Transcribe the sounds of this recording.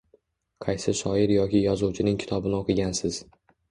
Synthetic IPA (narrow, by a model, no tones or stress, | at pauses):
qʰɑjsɪʃɒɪɾjɒkʲɪjɒzuwt͡ʃʰɪnɪŋkʲʰɪ̥t̪ʰɒbɪnɪoqʰɨɡʲansɪz̥